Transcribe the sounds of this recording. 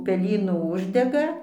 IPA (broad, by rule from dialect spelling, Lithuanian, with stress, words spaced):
pʲɛˈlʲiːnuː ˈʊʒʲdʲɛɡɐ